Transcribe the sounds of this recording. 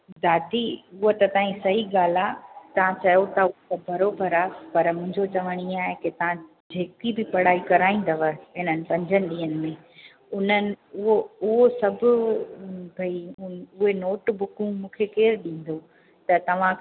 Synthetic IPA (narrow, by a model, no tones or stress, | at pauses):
d̪ʱaːt̪iʊɦot̪ɐt̪ãːĩsɐɦiɠaːl̤at̪ɐʋ̤ãt͡ɕɐjot̪ʰɐʊt̪ɐbʱɐɾobʱəɾaːpɐɾmʊ̃ɦɪ̃ɲd͡ʑʱot͡ɕɐʋəɽ̃iaːɦekɪt̪ɐʋ̤ã | d͡ʑʱeːkibɪpɐɽ̤aːikɐɾaːĩːn̆d̪ɐʋəɦɪnənɪ̆pɐ̃ɲd͡ʑʱənɪ̆ɗĩːɦənɪ̆mẽ | ʊn̤ənɪ̆ʊɦoʊɦosɐbʱʊ̆ | bʱɐiʊɦenoːʈbʊkũmũːkʰekeːɾɗĩːn̆d̪o | t̪ɐt̪ɐʋ̤ã